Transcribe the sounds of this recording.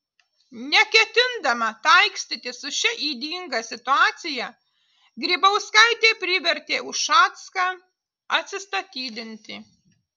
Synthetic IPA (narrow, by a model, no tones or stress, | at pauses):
nʲɛkʲɛt̪ʲɪnd̪ɐmɐt̪ɐɪksʲt̪ʲit̪ʲɪsʊʃʲɛʔiːd̪ʲiːŋɡɐsʲɪt̪ʊɑːt̪sʲɪjɛ | ɡɾʲiːbɐʊskɐɪt̪ʲeːpʲɾʲɪʋʲɛɾʲt̪ʲeːʊʃʃɑːt̪skɑ | ɐt̪ʲsʲɪst̪ɐt̪ʲiːd̪ʲɪnʲt̪ʲɪː